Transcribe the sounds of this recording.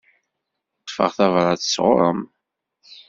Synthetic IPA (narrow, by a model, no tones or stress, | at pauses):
q̪ːfə̰ʁθævɾˤɑt͡səsʁʊ̰ɾˤə̰m